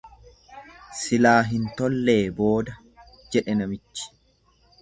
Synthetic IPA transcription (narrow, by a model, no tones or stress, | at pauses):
sɪlaːɦɪnt̪ɔlːe̞ːbo̞ːd̪ɐ | d͡ʒɛᶑɛnɐmɪt͡ʃːɪ̥